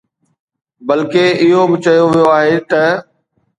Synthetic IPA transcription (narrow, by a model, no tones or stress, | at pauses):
bɐlkeɪɦobɪt͡ɕɐjoʋijoaːɦet̪ɐ